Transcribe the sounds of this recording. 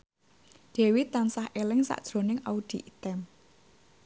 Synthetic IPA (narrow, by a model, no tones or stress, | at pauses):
ɖ̪̥e̤wit̪ansahʔelɪŋsa̰ʔd̥ʒ̥ɾo̤nɪŋaud̪̥i̤ʔit̪ɛm